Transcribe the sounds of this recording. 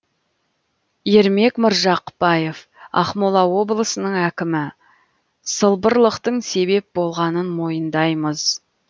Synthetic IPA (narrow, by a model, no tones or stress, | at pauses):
je̞ɾme̞kməɾʒɑqəpɑjefɑ̰χmolˠɑwo̞blˠəsənəɴækʲɪmɪ | səlˠbəɾlˠəqt̪əɴse̞be̞p̚bo̞lˠʁɑnənmo̞jənd̪ɑjməz̥